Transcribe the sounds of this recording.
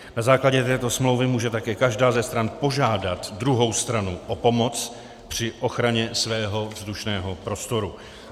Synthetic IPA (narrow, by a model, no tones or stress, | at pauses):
nazaːklaɟɛt̪ɛːt̪o̞smlowvɪmuːʒɛt̪akɛːkaʒdaːzɛst̪ɾanpo̞ʒaːdat̪dɾuɦo̞wst̪ɾanuʔo̞po̞mo̞t͡s | pr̝̥ɪʔo̞xɾaɲɛsvɛːɦo̞vzduʃnɛːɦo̞pɾo̞st̪o̞ɾu